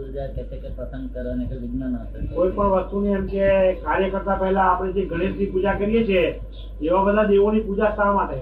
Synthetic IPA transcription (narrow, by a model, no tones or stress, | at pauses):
uɾd͡ʒat̪eʈekepɾəsə̃ŋɡkəɾənekʋiɡnənət̪ʰəkoipəɳʋəst̪uniəmʃekaɾjəkəɾt̪apɛɦɛlãːpɽ̃ed͡ʒeɡʱəɽ̃ibəd̪ipud͡ʒakəɾijet͡ʃʰe | eʋãbəd̪ʱad̪eʋonipud͡ʒast̪aɾmãt̪ʰaj